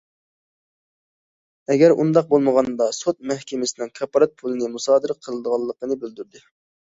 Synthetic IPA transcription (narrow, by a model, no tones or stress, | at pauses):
ɛɡʲɛɾṵnd̪ɑq̚bolˠməʁɑnd̪ɑsot̪̚mɛhkʲemɪsɪnɪŋkʰɑpɑɾɑt̪̚pʰulˠɨnɨmusɑːd̪ɨɾəqʰəlˠɨd̪əʁɑlˠːəqənɨbøld̪yɾd̪ɪ